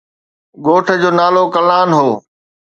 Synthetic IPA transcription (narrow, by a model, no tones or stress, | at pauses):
ɡoːʈʰə̆d͡ʑoːnaːlokɐlaːnɦoː